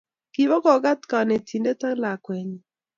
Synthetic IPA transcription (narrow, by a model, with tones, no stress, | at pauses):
ki˨bɔ˦kɔ˨ɡa˦t̪ka˨ne˨tʰi˨nde˦ta˦la˨kwɛ˨ɲ˨